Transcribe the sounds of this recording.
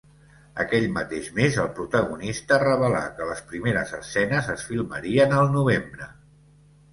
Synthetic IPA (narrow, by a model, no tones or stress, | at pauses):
ə̰kɛʎmət̪eʃmezəlˠpɾut̪əɣunist̪ərəβ̞əla̰kələspɾimeɾə̰zəsɛnəzəsfilˠməɾiənəlˠnuβ̞embɾə